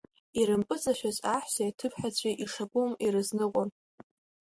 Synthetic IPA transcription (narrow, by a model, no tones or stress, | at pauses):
iɾɨmpʼɨzaʃʷᶣazʼaħsajatʰɨpʰħat͡ɕʷʰʼiʔiʂakʷʼʊmirɨznɨqʷʼʊn